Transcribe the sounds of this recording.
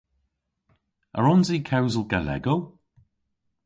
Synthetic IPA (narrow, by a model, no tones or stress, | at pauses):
ə̰ɹɔnziːkʰɛwzəlˠɡalɛ̰ɡəlˠ